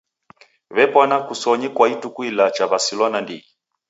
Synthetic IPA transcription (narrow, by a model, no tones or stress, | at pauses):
βɛpɔnakusɔɲikwaitukuilat͡ʃaβasilɔnandii